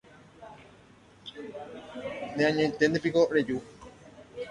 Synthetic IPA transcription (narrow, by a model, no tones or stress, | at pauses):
neãɲẽt̪end̪epikoɾed͡ʒu